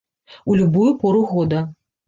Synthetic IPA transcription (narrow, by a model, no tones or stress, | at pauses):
ulʲubujupɔɾuɣɔd̪ɐ